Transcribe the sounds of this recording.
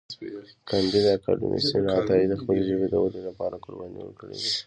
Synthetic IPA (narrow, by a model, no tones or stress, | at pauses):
kand̪id̪akɑ̰ɖa̰mʔḭsinɑt̪ɑid̪əxpəleʒəbed̪ə̰wad̪elapɑɾakoɾbanḭwə̰kəɽḛd̪i